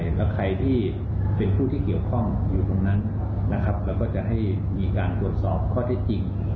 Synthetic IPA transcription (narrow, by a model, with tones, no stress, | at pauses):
jlɛː˦˥wkʰa˧jt̪ʰiː˥˩ | pe˧npʰuː˥˩t̪ʰiː˥˩ki˨˩əwkʰɔ˥˩ŋjuː˨˩t̪o˧ŋna˦˥n | na˦˥kʰa˦˥p̚lɛː˦˥wkɔː˥˩t͡ɕa˨˩ʔɦa˥˩j | miː˧kaː˧nt̪u˨˩ət̪̚sɔː˨˩p̚kʰɔː˥˩t̪ʰe˦˥k̚t͡ɕi˧ŋ